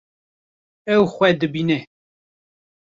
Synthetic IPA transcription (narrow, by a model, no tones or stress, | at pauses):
ɛwxʷɛd̪ɨbinɛ